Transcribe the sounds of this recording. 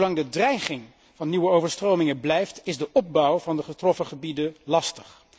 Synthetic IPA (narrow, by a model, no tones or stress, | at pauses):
lɑŋdədrɛjχɪŋ | v̥ɑnːiwəowvəɹstrowmɪŋəblɛjftɪzdəʔɔp̚bɔwvɑndəχətrɔfəχəbidəlɑstə̥χ